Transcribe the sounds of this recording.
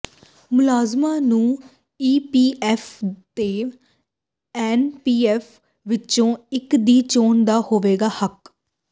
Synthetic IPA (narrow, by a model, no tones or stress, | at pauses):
mʊlaːzmãːnũː | iːpiːɛːfʰt̪eː | ɛːnpiːɛːfʰ | ʋɪt͡ʃõːɪkd̪iːt͡ʃoːɳd̪aːhoːʋeːɡaːhək